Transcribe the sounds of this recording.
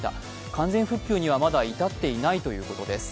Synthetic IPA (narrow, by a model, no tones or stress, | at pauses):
t̪a̰ | kãnd͡zẽ̞ɰ̃ɸɯ̟kʲːɨ̟ːɲ̟iβamad̪ait̪at̪ːe̞inait̪o̞jɯ̟ːko̞t̪o̞d̪e̞sɨ̥